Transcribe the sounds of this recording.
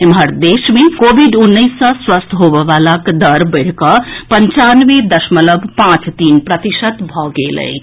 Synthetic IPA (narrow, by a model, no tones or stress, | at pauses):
emɦəɾd̪esmekobʱiɖunːəjsːə̃swəst̪ʰɦobəʋalakd̪əɾbəɽ̤kəpənt͡ʃanʋed̪əsmələbpãt͡ʃt̪inpɾət̪isət̪bʱɔɡelə̰ɪ